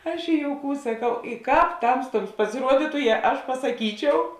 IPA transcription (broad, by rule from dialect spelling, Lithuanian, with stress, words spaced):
ˈɐʃ ɪ joːʊˈkuːs sɐˈkɐʊ ɪ ˈkɑːp ˈtɐmstuɔms pɐsʲɪˈruɔdʲɪtʊ jɛ ˈɐʃ pɐsɐˈkʲiːt͡ʃʲɛʊ